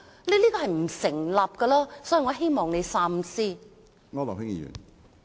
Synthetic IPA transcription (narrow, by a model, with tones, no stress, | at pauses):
le˧liː˥kɔː˧hɐ˨jm̩˨˩sɪ˨˩ŋlaː˨p̚kɐ˧laː˥sɔː˨˥ji˨ŋɔː˨˧ɦe˥jmɔː˨ŋne˨˧jsaː˧˥msiː˥ | ŋɔː˥lɔ̰˨khɪ˥ŋjḭː˨˧jy̰˨˩n